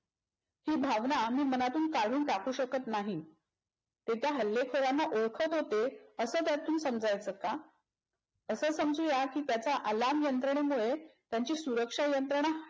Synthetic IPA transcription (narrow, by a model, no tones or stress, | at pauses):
hiːbʱaʋnamiːmənat̪uːnkaɽ̤uːnʈakʰuːɕəkət̪naɦi | t̪et̪jaɦəlːekʰoɾanːaʔoɭkʰət̪ɦot̪eəsəːt̪jat̪uːnsəmd͡zajt͡səːka | əsəːsəmd͡zuːjakiːt̪jat͡saʔalamjənt̪ɾəɳemuɭet̪jaɲt͡ɕiːsuɾəkʂajənt̪ɾəɳ̃a